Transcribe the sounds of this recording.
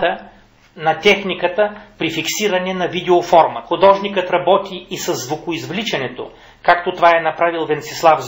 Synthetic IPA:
t̪ə | nɐt̪ɛxnikət̪əpɾifiksiɾɐnɛnɐvid̪ɛofɔɾməxʊd̪ɔʒnikət̪ɾɐbɔt̪iːsɐzːvokʊizvlit͡ʃɐnɛt̪o̰ | kakt̪ot̪ovaɛnɐpɾavilˠvɛnt̪sɛ̥slˠavz

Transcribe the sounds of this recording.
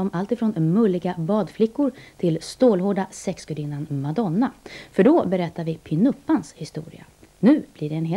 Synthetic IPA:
ɔmalt̪ɪfɾoːnmɵlːɪɡabɑːd̪flɪkːʊɾt̪ʰɪlst̪oːlɦoːɖasɛksɡɵd̪ɪnːanmad̪ɔnːafœɖɔbɛɾɛt̪ʰːaɾvɪpʰɪnɵpːanshɪst̪ṵːɾɪ̰a̰ | nʉ̟ːb̥lɪɖɛːnɦ

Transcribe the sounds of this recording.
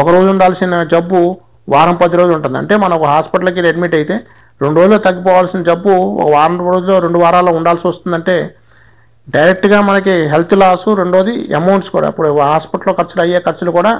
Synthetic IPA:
ɔkɐɾo̞ːd͡ʒuuɳɖaːlsinɐd͡ʒɐbːu | ʋaːɾɐmpɐd̪iɾo̞ːd͡ʒuɳʈund̪iɐ̰ɳʈe̞ːmɐnɐɔkɐɦaːspiʈɐlɐk̬iɾeɖmiːʈɐjit̪e̞ː | ɾeɳɖuɾoːd͡ʒuloːt̪ɐɡːipɔːʋaːlsinɐd͡ʒɐbːuɔ̰kɐʋaːɾɐmɾoːd͡ʒulo̞ːɾe̞ɳɖuʋaːɾaːlo̞ːuɳɖaːlsiʋɐst̪und̪ɐɳʈe̞ː | ɖɐjɾek̚ʈɡaːmɐnɐkiɦelt̪ʰulaːsuɾeɳɖɾoːd͡ʒiḛmɐwɳʈskuːɽa̰ːḭpːuɽukɐɦaːspɐʈɐloːkɐɾt͡ʃːulɐjːeːkɐɾt͡ʃulukuːɽaː

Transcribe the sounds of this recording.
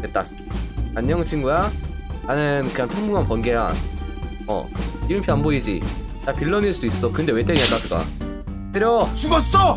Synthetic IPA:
ket̚t͈a̰ | aɲːʌŋt͡ɕʰinɡujananɯnkɯanpʰoŋmuŋanpʌnɡeja | ʌ̰iɾɯmpʰianboid͡ʑḭ | t͡ɕapiɭːʌniɭs͈udouis͈ʌkɯnde̞we̞t͈eɡiak͈asʰɯɡ͈a̰ | tɯɾjʌt͡ɕuɡʌs͈ʌ

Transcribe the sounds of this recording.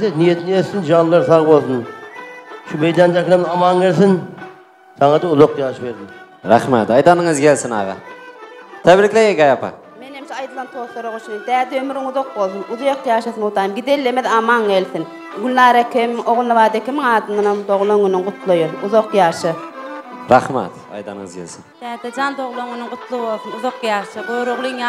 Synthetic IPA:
senijet̪ʰɪnessɪnʒɑnlˠɑɾsɑʁbolˠsən | ʃumejd̪ænd̪ækʲʰɪnemɑmɑnkʲelsɪn | sɑŋɑd̪ɑʊzoqjɑːʃəbeɾd̪ɪn | ɾæ̰χmæ̰t̪ɑjt̪ɑnəŋəzkʲʰelsɪnɑ̰ʁɑ̰ | t̪ʰæbɾɪkʲlejeɡɑjɑpɑ̰ | menhemt͡ʃʰɛɑjd̪ɯlˠɑnt̪ʰoːθlˠoɾoʁoʃʰijind̪æːd̪ɛømyɾiŋuðoq̚bolˠθunuðjoqjɑːʃɑθɨnut̪ɑːjmɡid̪elːemeðɑmɑŋelθin | ɡʲylʲnɑːɾɑkʲʰmoʁʊlˠnɑvɑːd̪ekʲʰimɪŋɑːd̪ɯnɯnamd̪oʁlˠoŋynɪŋʁʊt̪lˠojouðoqjɑːʃɯ | ɾɑχmæ̰t̪ | ɑ̰jd̪ɑnɨŋəzkʲʰelsɪnd̪̥æːd̪ɛd͡ʒɑnd̪oʁlˠoŋynɪŋʁʊt̪lˠɨbolˠθunuðoqjɑːʃɨboɾoʁlˠɨŋ

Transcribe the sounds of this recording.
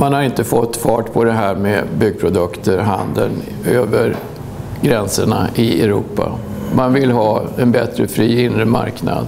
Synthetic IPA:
manhaɾɪnt̪əfɔt̪ːfɑːʈpʰɔd̪ɛɦæːɾmeːbʏɡ̚pʰɾʊd̪ɵkt̪ʰəɾɦand̪ən | øːvəɾ | ɡɾɛnsəɳaʔɪɛɾuːpːa̰ | manvɪlɦɑːɛnbɛt̪ɾəfɾiːɪnɾəma̰ɾkna̰d̪

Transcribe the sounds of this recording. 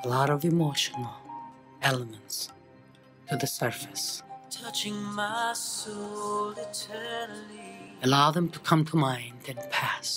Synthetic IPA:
əlɔɾʌvɨmoʊʃənəl̩ˠ | ɛlˠəmə̃nts | tʰɨðɨsɜ˞fɨ̥stʰʌt͡ʃɪ̃ŋmasolˠɪtʰɜ˞nəliəlaʊðə̃mtʰəkʰʌ̃mtʰəmãɪ̃ndɨ̃npʰæs

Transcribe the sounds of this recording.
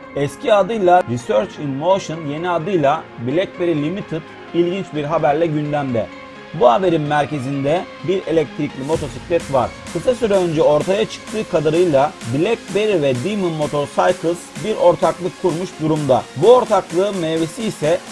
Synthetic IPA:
ɛscʰiad̪ɯjlˠaɾisøɾt͡ʃinmoʃɯnje̞niad̪ɯjlˠabilʲɛc̚be̞ɾilʲimit̪ʰɯt̪̚ | ilʲɟint͡ʃbiɾɦabæɾlʲɛɟynd̪æmd̪ɛ̰ | buɦabe̞ɾinmæɾce̞zind̪ɛ | biɾe̞lʲɛc̚t̪ʰɾicʲlʲimo̞t̪ʰo̞siclʲɛt̪va̰ɾ̥kʰɯsasyɾɛønd͡ʒɛo̞ɾt̪ʰajat͡ʃʰɯ̥k̚t̪ʰɯːkʰad̪aɾɯjlˠabilʲɛc̚beɾivɛd̪imɯnmo̞t̪ʰo̞ɾsajkʰɯsbiɾʔo̞ɾt̪ʰaklˠɯkʰːuɾmuʃd̪uɾumd̪a̰buo̞ɾt̪ʰaklˠɯːmevesiːsɛ

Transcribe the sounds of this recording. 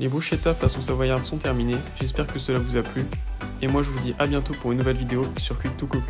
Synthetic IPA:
lebuʃet̪afasɔ̃savwajãt̪sɔ̃t̪ɛʁmineʒɛspɛʁkəsəlavuzaply | emwaʒəvud̪iʔabjɛ̃t̪opuʁynːuvɛlvid̪eoi̥syʁkʲɥit̪ːuku

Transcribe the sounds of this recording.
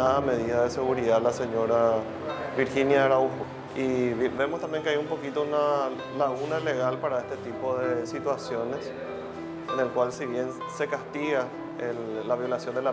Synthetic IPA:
aðame̞ðiðaðese̞ɣuɾiðalase̞ɲo̞ɾa | βiɾxinjaɾaufo | iββe̞most̪ambjeŋkeajumpo̞kit̪ouna | laɣunale̞ɣalpaɾaest̪et̪ipo̞ðesit̪wasjo̞ne̞s | ene̞lkwalsiβje̞n | se̞kast̪iɣa | elːaβjo̞lasjo̞nd̪ela

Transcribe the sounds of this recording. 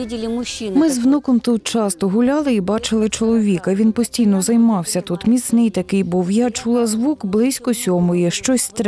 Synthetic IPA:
idʲɪlʲɪmʊɕimɪzʋnɔkɔmt̪ut̪̚t͡ʃɑst̪ɔɦʊlʲɑlˠɪibɑt͡ʃɪlˠɪt͡ʃɔlˠɔʋʲikɐʋʲinpɔsʲtʲijnɔzɐjmɑwsʲɐt̪ut̪mʲit̪snɪjt̪ɐkɪjbuwjat͡ʃulˠɐzʋukblˠɪsʲkɔsʲɔmʊjɛʃt͡ʃɔsʲt̪

